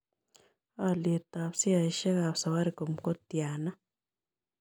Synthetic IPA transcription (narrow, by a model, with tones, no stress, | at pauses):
a˦le˨t̪a˨psi˦a˨i˨ʃɛ˦ka˨psa˨wa˦ɾi˨ko˨mko˦tja˨na˦